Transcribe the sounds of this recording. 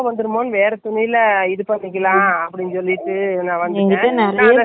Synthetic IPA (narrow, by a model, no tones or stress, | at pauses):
ʋɐnd̪ɯɾɯmoːnɯʋeːɾɛt̪ʊnɪjɪlɐɪðɯpɐnːɪk̬ʲːɐlãːɐpːɐɽɪnːsɔlːɪʈːɯnãːʋɐnd̪ẽːɐnɛɾnɐjɾɛ